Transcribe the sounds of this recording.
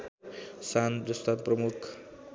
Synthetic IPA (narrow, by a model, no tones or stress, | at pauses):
sanbɾʌst̪ʰat̪prʌmukʰ